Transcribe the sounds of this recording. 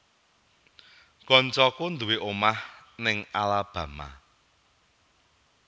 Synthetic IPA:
ɡ̥ɔnt͡ʃɔkund̪uweʔomahnɪŋalab̥ä̤ma̰

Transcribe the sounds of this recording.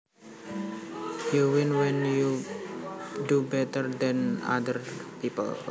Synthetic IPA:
juwɪnwɛnju | dubɛt̪ərd̪ɛ̃na̰d̪ərpipə̰l

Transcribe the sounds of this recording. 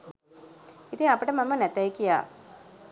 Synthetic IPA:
it̪iŋapəʈəmamənɛt̪ajkija̰ː

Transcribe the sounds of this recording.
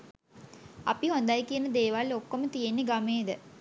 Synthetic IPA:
apiɦond̪ajkijənəd̪eːʋalːokːomət̪ijenːeɡameːd̪ə

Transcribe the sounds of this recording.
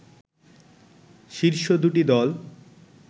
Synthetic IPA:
ʃiɾʃod̪uʈid̪ɔl

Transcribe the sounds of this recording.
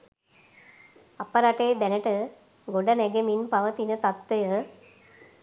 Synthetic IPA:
ɐpɐɾaʈeːd̪ɛnəʈə | ɡoɖɐnɛɡeminpɐʋɐt̪inət̪at̪ʋɐjə

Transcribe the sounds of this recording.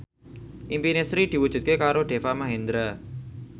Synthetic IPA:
impinesɾiʈiʋut͡ʃɪt̪̚kekaːɾoʈeːfamɐɦẽnd̪ɾə

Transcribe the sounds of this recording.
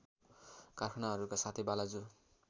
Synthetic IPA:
karkʰʌnaɦʌɾukasat̪ʰebalad͡zu

